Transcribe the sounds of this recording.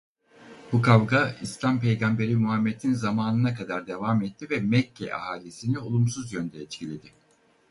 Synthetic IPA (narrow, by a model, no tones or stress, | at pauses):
b̥ukavɡaislʲampejɡambe̞ɾimuɦamːed̪ʰinzamaːnɯnakʰad̪aɾd̪e̞vaːmɛt̪ʰːivɛmɛcʰːɛ̰ʔa̰haːlʲisinio̞lˠumsuzjønd̪ʰɛɛt͡ʃ̪cʰilʲe̞d̪ɪ